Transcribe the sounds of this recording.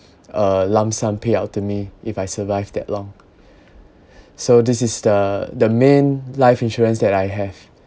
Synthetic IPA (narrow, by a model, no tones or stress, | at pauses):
ʔəlãmsãmpʰeaʊtʰːumiifajsəvaɪvdɛ̰tlɔ̃ŋ | sodisɪsdədəmẽnlaɪfĩnʃɔɹə̃nsdɛtajɦɛv̥